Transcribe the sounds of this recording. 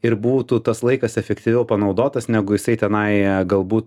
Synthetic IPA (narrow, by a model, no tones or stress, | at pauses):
ɪɾbuːt̪ut̪ɐslˠɐɪkɐsɛfʲɛkt̪ʲiʋʲɛʊpɐnɐʊd̪oːt̪ɐsnʲæɡʊjɪsɐɪt̪ʲɛnɐɪɡɐlˠbuːt̪